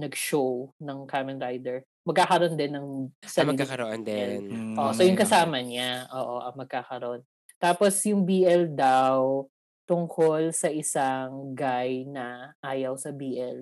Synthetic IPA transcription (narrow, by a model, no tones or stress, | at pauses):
nɐɡʃownɐŋkamɛnɾajd̪ɛɹ | mɐɡkːakɐɾo̞nd̪ɛnːɐŋsɐmɐikːakɐɾɐʔond̪ɛnʔoʔsojʊŋkɐsaːmɐɲaʔoːʔoʔɐŋmɐɡ̚kakɐɾo̞n | t̪aːposjʊŋbiːʔɛld̪aw | t̪ʊŋkʰolsɐʔɪsaŋɡajnɐʔaːjɐwsɐbiːʔɛl